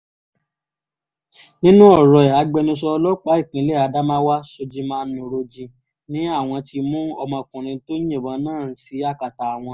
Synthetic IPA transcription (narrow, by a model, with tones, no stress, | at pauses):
nĩ˦nũ˦ɔ˦˨ɾɔ˨ɛ˨a˨˧ɡ͡bɛ˧nũ˧s̬ɔ˧lɔ˦k͡pa˨˦i˦˨kĩ˨˦le˦˨a˧da˦mã˦wa˦so˧d͡ʒi˧˦mãː˦˧n˦ũ˨ɾo˧d͡ʒĩ˧ | nĩ˦a˦˨w̃ɔ̃˧ti˧mũ˦ɔ˧mɔ̃˧kũ˨ɾ̃ĩ˧to˦jĩ˦˨bã˨˦nãː˦˨si˨˦a˦˨ka˨ta˨w̃ɔ̃˧